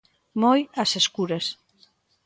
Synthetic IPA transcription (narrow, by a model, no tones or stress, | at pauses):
mojaseskuɾɐs